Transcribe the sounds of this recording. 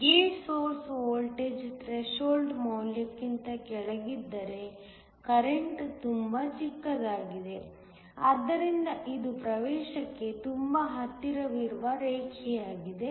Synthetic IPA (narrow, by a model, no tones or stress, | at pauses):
ɡeːsoːɾsoːlʈeːd͡ʒʈɾeʃoːlɖmɐːljɐkːint̪ɐkɛɭɐɡid̪ːɐɾe̞ | kɐɾeɳʈt̪umbɐt͡ʃikːɐd̪aːɡid̪e̞ | ɐd̪ːɐɾind̪ɐʔid̪upɾɐʋɛːʃɐkːe̞t̪umbɐɦɐt̪ːiɾɐʋiɾʋɐɾeːkijaːɡid̪e̞